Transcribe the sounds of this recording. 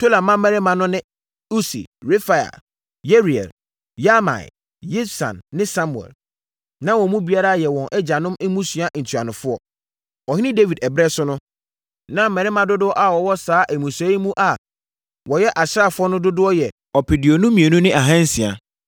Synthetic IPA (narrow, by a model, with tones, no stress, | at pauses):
tʰo˦la˨mã˦mɛ̃˨ɾɪ˦mã˨nʊ̃˦nɪ̃˦ | u˦sḭ˨ɾe˦fa˨ja̰˨ | je˦ɾi˨ɛ̰˨l | ja˦mã̰˨ɪ̰˨ | je˦sã̰˨nːɪ̃˦sa˦mũ˨ɛ̰˨l | nã˦wɔ̃˨mũ˦bi˦a˦ɾa˦˨jɛ˨wɔ̃˨nʔɛ˦d͡ʑa˨nʊ̃˦mɪ˦mũ˦sɥa˦ʔn̩˨tʰu˨a˨nʊ̃˨fʊ˦ɔ˨ | ɔ˨hɪ˦nɪ̃˦de˦vi˨dɛ˨bɾɛ˦sʊ˦nʊ̃˦ | nã˦mɛ˨ɾɪ˦mã˨dʊ˦dʊ˦ɔ˦ʔa˦wɔ˨wɔ˦saː˦ʔæ˨mũ˨sɛ˨˦i˦mũ˦ʔa˨ | wɔ˨jɛ˦ʔa˨ɕɪ˦a˦˨fʊ˦ɔ˦nʊ̃˦dʊ˦dʊ˦ɔ˦jɛ˨ | ɔ˨pʰɪ˨dɪ˨ɔ˨nũ˦mĩ˨e˨nũ˦nɪ̃˦ʔa˨ɦã˦n̩˦si˨a̰˨